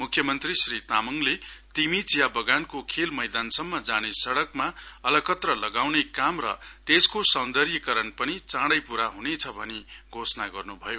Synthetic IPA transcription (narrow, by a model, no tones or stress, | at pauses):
mukʰːjʌmʌnt̪risrit̪amʌŋlet̪imit͡sjabʌɡankokʰelmʌjd̪ansʌmːʌd͡zanesʌɽʌkmaʌlʌkʌt̪rʌlʌɡawnekamrʌ̰t̪eskosʌnd̪ʌɾjikʌɾʌnpʌnit͡sãɽʌjpuɾaɦunet͡sʰʌbʱʌneɡʱosnaɡʌrnubʱʌjo